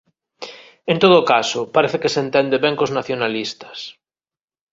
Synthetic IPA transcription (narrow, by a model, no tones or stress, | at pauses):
ẽnt̪oðoːkasopaɾeθekesent̪ɛnd̪eβeŋkoznaθjonalist̪ḁs